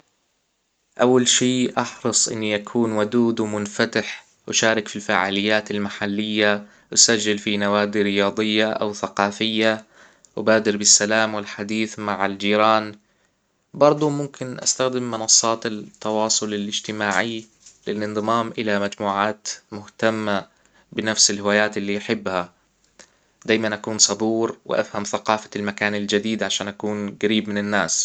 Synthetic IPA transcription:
ʔawːalʃiːʔɑħɾɨsˤʔɪ̰nːijʔakʰuːnwad̪uːd̪wmʊnfat̪ɪħ | wʔʃaːɾɪkfilfaːʕa̰ːlɪjːaːt̪ɪlmaħalːɪjːa | wsad͡ʒːalfinawaːd̪iɾɪjɑːd̪ˤɨjːaʔa̰wθaqɑːfɪjːa | wbaːd̪ɪɾbɪsːalaːmwɪlħad̪iːθmaʕɪld͡ʒiːɾɑːn | bɑɾˤd̪ˤumʊmkʰɪnʔa̰st̪axd̪ɪmːɪnɑsˤːɑːt̪at̪ːɑwɑːsˤʊlɪlʔɪd͡ʒt̪ɪmaːʕi | lɪlʔɪnd̪ˤɨmaːmʔɪlamad͡ʒmuːʕaːt̪mʊht̪amːa | bɪnafsɪlhɪwaːjaːt̪ɪlːiːʔħɪbːha | d̪aːjmanʔakuːnsˤɑd̪ˤuːɾwɪ̰ʔa̰fhamθaqɑːfḁlmakaːnɪld͡ʒad̪iːd̪ʕaʃaːnʔakuːnɡaɾiːbmɪnɪnːaːs

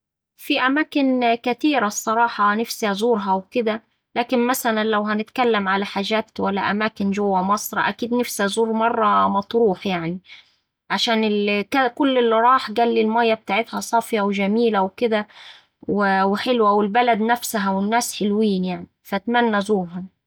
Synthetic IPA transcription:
fiʔæmæːkɪnkæt̪iːɾæsˤːɑɾˤɑːħɑnɪfsiæzuːɾɦæwkɪd̪æ | læːkɪnmæsælænlæwɦænɪt̪kælːæmʕalæħaːʒæːt̪wælːæʔæmæːkɪnʒowːæmɑsˤɾˤɑʔækiːd̪nefsiæzuːɾmɑrˤːɑmɑt̪ˤɾuːħjaʕni | ʕaʃæːnɪlkækʊlːɪlːɾˤɑːħɡæːlːilmæjːæb̚t̪aːʕɪt̪hæsˤɑfjæwʒæmiːlæwkɪd̪æ | wɪwɪħelwæwɪlbælæd̪næfsɦæwɪnːæːsħelwiːnjaʕnifæt̪mænːæzuːɾɦɑ

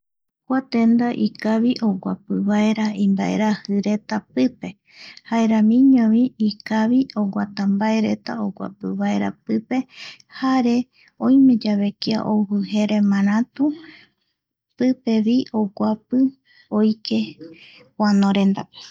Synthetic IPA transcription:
kʷat̪e̞nd̪aʔikaβiʔoɡʷa̰pɨβaeɾaĩmbaʔḛɾahɨɾe̞t̪apɨpe̞ | haeɾamĩɲõβiikaβioɡʷat̪ambae̞ɾe̞t̪a̰oɡʷa̰pɨβaeɾa̰pɨpe̞ | haɾe̞ | õjmẽ̞d͡ʒaβe̞kia̰ʔoβɨhe̞ɾe̞mãɾ̃ãt̪u | pɨpe̞βiʔoɡʷapɨ | ojkʰe̞ | wanoɾe̞nd̪ape̥

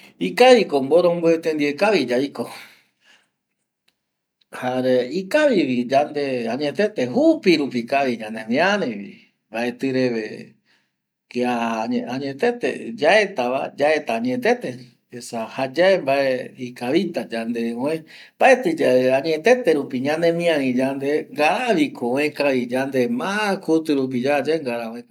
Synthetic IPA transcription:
ikaβikomboɾõmboet̪ẽnd̪iekaβid͡ʒaiko | haɾeikaʋiβid͡ʒand̪e̞aɲẽt̪e̞t̪eɦupiɾupikaβid͡ʒand̪emĩaɾẽβḭ | baet̪ɨɾe̞βḛ | keaaɲẽt̪e̞t̪ḛd͡ʒae̞t̪aʋa̰d͡ʒaet̪aːɲet̪e̞t̪e̞ | esahad͡ʒaembaeikaβit̪ad͡ʒand̪eõẽ | baet̪ɨd͡ʒaaɲẽt̪e̞t̪e̞ɾupiɲãnẽmĩãɾĩd͡ʒand̪eŋɡaɾaβikʰoõẽkaʋid͡ʒand̪emãkʰut̪ɨɾup̬id͡ʒad͡ʒaeŋɡaɾaõẽ

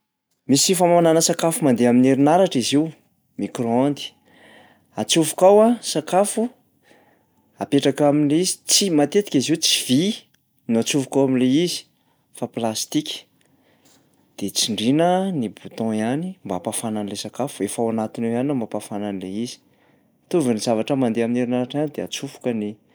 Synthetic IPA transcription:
misifamananəsakafumand̪eamineɾinaɾaʈ͡ʂiziu | mikroand̪i̥ | at͡suvukawasakafu | apeʈ͡ʂakaminleizi̥t͡simat̪et̪i̥kʲiziwt͡siv̥i | nuat͡suvukawaminleizi̥ | faplast̪ikʲi̥ | d̪̥et͡siɳɖ͡ʐinənibut̪ɔ̃janimbapafananilesakafuefawanat̪inewanambapafananileizi̥ | t̪uvinizavaʈ͡ʂəmand̪eamineɾinaɾaʈ͡ʂanid̪eat͡sufu̥kəni

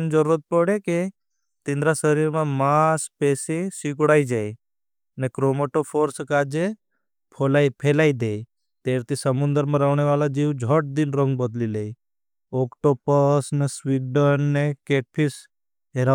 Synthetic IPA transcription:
nd͡ʒəɾuɾət̪̚pɔɽeke | t̪ĩnd̪ɾasəɾiɾmãmaspeːsesiɡɽaːid͡ʒaːi | nekɾoːmoʈopʰoːɾskaːd͡ʒe | pʰolaipʰeːlaːid̪ej | t̪eːɾt̪isəmʊ̃nd̪əɾmãɾaʋneʋaːlad͡ʒiʋd͡ʒʱɔʈ̚d̪inɾə̃ŋɡ̚bəd̪lilei | okʈopəsneswiɡɖənːekeːʈ̚pʰis | ɦeɾa

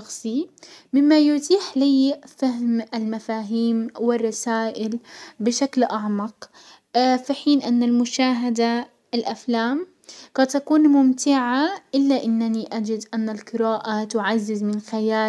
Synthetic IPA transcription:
ɑxsˤimɪmːajʊt̪ˤiːħliːfahmɪlmafaːɦiːmwɪrˤːɑsaːʔɪlbɪʃaklʔaʕmɑq | fiħiːnʔɪnːalmʊʃaːɦad̪a | ɪlʔaflaːm | qɑd̪t̪ːakuːnmʊmt̪ɪʕaʔɪlːaʔɪnːaniʔad͡ʒɪd̪ʔanːalqɨɾaːʔat̪ʊʕazːɪzmɪnxajaː

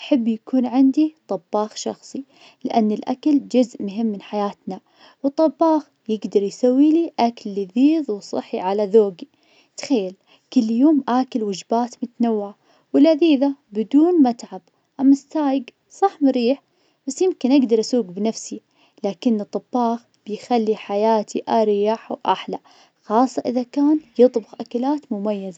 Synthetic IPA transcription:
ʔaħabːjakuːnʕɪnd̪it̪ˤɑbːɑːxʃɑ̰xsˤi | lɪʔanːɪlʔa̰kald͡ʒʊzʔmʊɦɪmːɪnħajaːt̪na | wɨt̪ˤːɑbːɑːx | jɪɡd̪ɑɾˤjsawːiːliʔakalːiðiːðˤwsˤɑ̰ħːiʕalaðoːɡi | t̪xajːal | kʊlːjoːmʔaːkalwʊd͡ʒbaːt̪mʊt̪nawːɪʕa | wɪlʔaðiːðabɪd̪uːnmat̪ʕab | ʔamːast̪aːjɪɡ | sˤɑħmɾiːħ | b̥asːjɪmkɪnʔaɡd̪ɑɾˤʔasuːɡbɪnafsi | laːkɪnːɨt̪ˤːɨbːɑːx | b̥ɪjxalːiħajaːt̪ʰiʔaɾɪjaħwʔa̰ħla | xɑːsˤːɑʔɪðakaːnjɨt̪ˤbʊxʔakalaːt̪mʊmajːaza

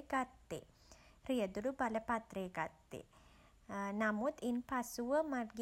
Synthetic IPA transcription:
ɡat̪ːḛ | ɾijəd̪ulubɐlɐpat̪ɾeːɡat̪ːḛ | namut̪inpasuʋəmɐɡ

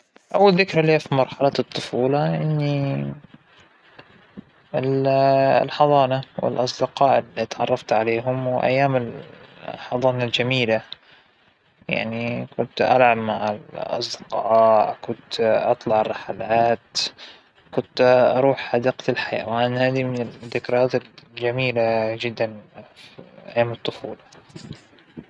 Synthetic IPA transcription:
ʔawːalðɪkɾaliːafimɑɾˤħalɑɨt̪ˤːʊfuːlɑʔɪnːi | ɪl | lħɑðˤɑːnawɪ̰lʔɑs̬ˤd̪ɪqɑːʔɪlːit̪ʕɑrˤːɑft̪ʕaleːɦʊmwɪʔa̰jːaːmɪl | ħɑðˤɑːnald͡ʒamiːla | ja̰ʕnikʊnt̪ʔa̰lʕabmaʕɪlʔɑ̰sˤd̪ɪ̥qɑːkʊnt̪ʔɑt̪ˤlɑʕɑrˤːɑħalaːt̪ | kʊnt̪ɑɾˤuːħhad̪aːqt̪alħaja̰waʔanhaːd̪imɪnɪd̪ːɪkɾˤɑaːt̪ɪld͡ʒamiːlad͡ʒɪd̪ːanfiʔa̰jːaːmɨt̪ˤːʊfuːlɑ

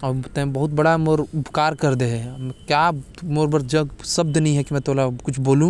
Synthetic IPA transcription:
ɔt̪ɛ̃bɐɦʊt̪̚bɐɽamoːɾʊbʱkaːɾkɐɾd̪eɦɛ̃kjaː | moːɾbɐɾd͡ʒɐsɐb̚d̪nɐɦĩɦɛkimɛ̃t̪oːlakʊt͡ʃʰboːlũ

